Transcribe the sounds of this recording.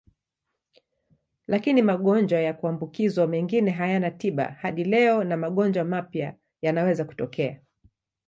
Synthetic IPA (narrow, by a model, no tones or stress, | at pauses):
lʔakinimaɠɔnd͡ʒwajakuambukizwamɛŋɡinɛɦajanatiɓa̰haɗilɛɔnamaɠɔnd͡ʒwamapja | janawɛzaku̥tɔkʰɛa